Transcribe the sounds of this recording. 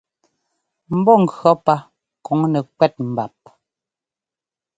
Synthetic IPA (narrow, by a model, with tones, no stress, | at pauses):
m̩˦bɔ˦˨ŋ̩˨ɡɰɔ˨˦pa˦ | kɔ˨˦ŋnɛ˨kwɛ˦t̚m̩˨ba˨p̚